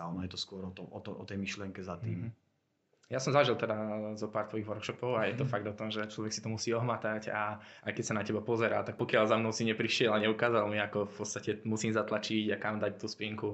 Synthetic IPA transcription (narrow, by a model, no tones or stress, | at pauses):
anɔjɛt̪ɔskʊɔɾɔt̪ɔʔɔt̪ɔʔɔt̪ɛjmiʃliɛŋkɛzat̪iːm | jasɔmzaʒilˠt̪ɛd̪azɔpaːɾt̪ʋɔjiɣʋɔɾkʃɔpɔʊajɛt̪ɔfaɡ̚d̪ɔt̪ɔmʒɛt͡ʃlɔʋɛksi̥t̪ɔmusiːɔɦmat̪acaʔajkɛcsanacɛbapɔzɛɾaːt̪ak̚pɔkɪalzamnɔʊsiɲɛpɾiʃɪɛlaɲɛukaːzalmiakɔfpɔt̪st̪acɛmusiːmzat̪lat͡ʃiɟakamd̪act̪uːspiŋku